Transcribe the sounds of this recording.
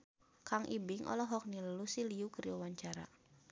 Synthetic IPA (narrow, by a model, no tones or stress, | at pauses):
kaŋʔibɪŋʔɔ̰lɔɦɔk̚niləlusiliukəɾiwawaɲt͡ʃaɾa̰